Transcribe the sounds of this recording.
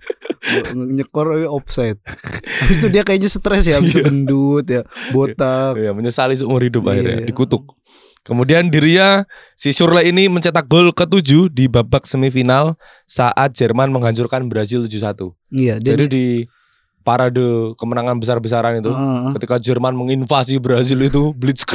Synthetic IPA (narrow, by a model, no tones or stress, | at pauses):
ɲəkɔrwɛɔpsaɪt̪̚st̪udiakajaɲasət̪ɾɛsjabəndut̪jabot̪akijaməɲəsalis̬umʊrhidʊp̚a̰hɪ̰rɲa̰dikut̪ʊk̚ː | əmudiandiɾiɲa | sisʊrlainiməɲt͡ʃat̪ak̚ɡolkət̪ud͡ʒudibabak̚səmifinal | saʔat̪̚d͡ʒərmanməŋɦaɲt͡ʃʊrkanbəɾazɪlt̪ud͡ʒusat̪u | jad͡ʒadidi | paɾadəkəmənaŋanbəs̬arbəs̬aɾanit̪ukət̪ikad͡ʒərmanməŋinfas̬ibəɾazɪlit̪̬ubəlisk